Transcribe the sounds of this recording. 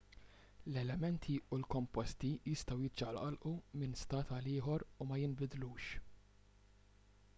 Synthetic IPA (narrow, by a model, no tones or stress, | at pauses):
lɛlɛmɛnt̪ʰiulkɔmpɔst̪ijɪst̪ɐwjɪd͡ʒɐlʔɐlʔumɪnst̪ɐːt̪ɐlɪːħɔɾumɐjɪmbɪd̪luːʃ